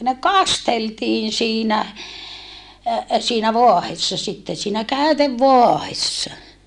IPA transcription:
ne kɑsteltiːn̞ siːnæ siːnæ ʋoɑhesːɑ sitːe siːnæ kæyteʋːoɑhesːɑ

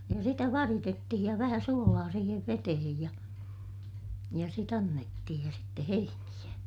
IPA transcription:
jɑ sitæ ʋɑritetːihij jɑ ʋæhæ suolɑː siːheʋ ʋetehej jɑ jɑ sit ɑnːetːihij jɑ sitːe heinij̆æ

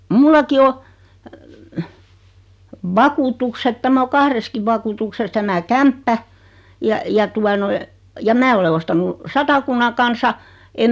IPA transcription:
mulːɑki o ʋɑkuːtukset tæmæ o kɑhreskiʋ ʋɑkuːtukses tæmæ kæmpːæ jɑ jɑ tuɑ noi jɑ mæː ole ostɑnu sɑtɑkunːɑ kɑnsɑ em

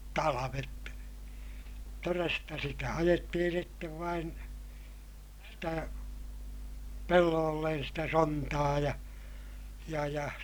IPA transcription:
tɑlɑʋet torestɑ sitæ ɑjetːihin̞ sitːeʋ ʋɑin sitæ pelːoːlːen sitæ sontɑː jɑ jɑ jɑ

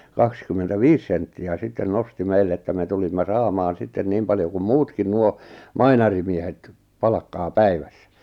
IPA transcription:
kɑkskymːentæʋiːs sentːiæ sitːen nosti meilː etːæ me tulimːɑ sɑːmɑːn sitːen niːm pɑljo kum muːtkin nuo mɑinɑrimiehet pɑlɑkːɑː pæiʋæ̥sːæ̥

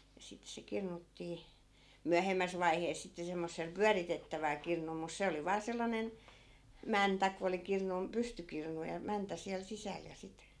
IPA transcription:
jɑ sit se kirnutːiː myæhemːæs ʋɑiheːs sitːe semːosːel pyæritetːæʋæl kirnul mus se oli ʋɑː selːɑnen mæntæ ko oli kirnun pystykirnu jɑ mæntæ siæl sisæl jɑ sit

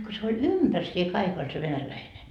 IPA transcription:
ko se olʲ ympærsie kɑik olʲ se ʋenælæine

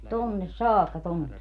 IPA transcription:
tonːes sɑːkːɑ tonːe

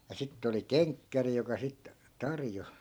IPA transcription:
jɑ sitː oli keŋkːæri jokɑ sit tɑrjo

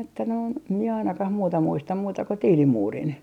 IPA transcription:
etːæ noin mie ɑinɑkɑh muːtɑ muistɑm muːtɑ ko tiːlimuːrin

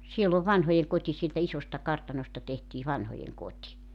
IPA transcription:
sielː oːʋ ʋɑnhojeŋkoti sieltæ isostɑ kɑrtɑnostɑ tehtiː ʋɑnhojeŋkotʲi

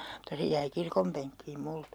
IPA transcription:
mutːɑ se jæi kirkompeŋkːiːm multɑ

